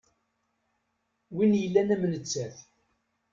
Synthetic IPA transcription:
winjəlːænæmnət͡sːæθ

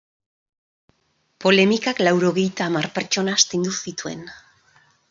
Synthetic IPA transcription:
po̞le̞mikaklawɾo̞ɣe̞jt̪aːmarpe̞ɾt͡ʃo̞nast̪ind̪usit̪ue̞̰n

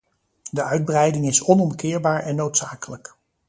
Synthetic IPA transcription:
dəœɥd̚brɛjdɪŋɪsɔnɔmkɪːɹbaːɹɛnːowtsaːkələk

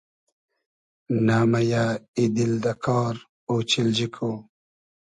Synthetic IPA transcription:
naːmajaid̪ild̪akʰɑːɾ | oːt͡ɕild͡ʑikʰo

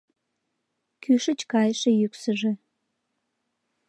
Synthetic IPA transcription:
kyʃə̆t͡ɕkɑjʃĕjyksəʒĕ

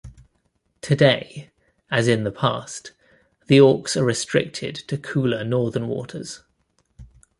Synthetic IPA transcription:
tʰədeɪ | əzɪ̃nðəpʰɑˑst | ðiɔˑksəɹɪstɹ̥ɪ̰k̚tʰɪ̰d̚tʰəkʰʉːlənɔːðə̃nwɔ̰ˑtʰə̰z̥

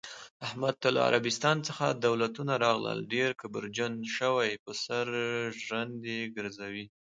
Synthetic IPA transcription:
ahmad̪̚t̪ala̰a̰ɾabɪst̪ɑnt͡səxad̪awlat̪unaɾɑɣlə̰lɖeɾkabəɾd͡ʒanʃəwajpəsaɾʒwand̪eɡəɾzawi

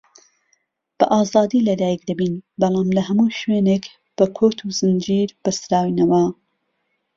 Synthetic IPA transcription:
b̥ɐʔɑːzɑːd̪iːlɐd̪aːjɛk̚d̪ɐbiːnbɐlˠɑːmlɐɦɐmuːʃweːneːk | b̥ɐkʰoːt̪ʰuzɨnd͡ʒiːɾb̥ɐsɾaːwinɐwɐ

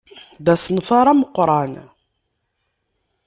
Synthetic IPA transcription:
ðæsənfɑɾˤɑməqːɾˤɑn

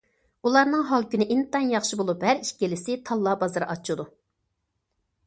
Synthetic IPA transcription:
ulˠɑɾnɨŋɦɑlˠkʲynɪʔint̪ɑnjɑχʃibolˠuphæɾiʃkʲelɪsɪt̪ʰɑlˠːɑbɑzɨɾʔɑt͡ʃʰːud̪u

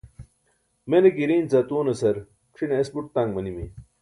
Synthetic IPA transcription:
menekiɾiːnt͡sɐt̪uːnɐsɐɾ | kʂineesbuʈ̚t̪aŋɡmɐnimḭ

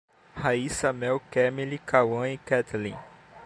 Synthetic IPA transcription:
haisɐmɛwkɛmilikawɐ̃ikɛt̪lḭ̃

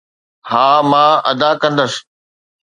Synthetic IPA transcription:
haːmãːʔɐ̰d̪akɐ̃nd̪əs

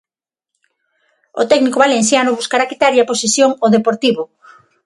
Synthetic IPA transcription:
o̰t̪ɛknikoβalenθjanʊβuskaɾakit̪aɾʎaposesjoŋoðepoɾt̪iβʊ

